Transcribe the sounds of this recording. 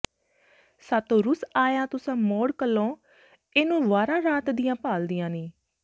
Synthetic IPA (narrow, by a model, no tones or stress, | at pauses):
saːt̪õːɾʊsaːjãːt̪ʊsãːmɔːɽkəlːõː | eːnũːʋaːɾãːɾaːt̪d̪ɪjãːpaːld̪ɪjãːniː